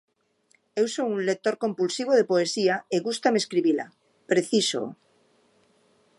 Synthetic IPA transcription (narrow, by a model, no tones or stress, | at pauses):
ewsowunlek̚t̪oɾkompulsiβ̞oðepoesiaeɣust̪ameskɾiβila̰ | pɾeθiso̰